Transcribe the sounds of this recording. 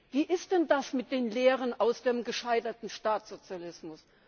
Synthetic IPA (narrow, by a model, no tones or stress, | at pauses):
viːʔɪst̚d̥ɛndasmɪt̚d̥eːnleːʁənaʊsd̥eːmɡəʃaɪtɐtn̩ʃtaːt͡sz̥ot͡sjalɪsmʊs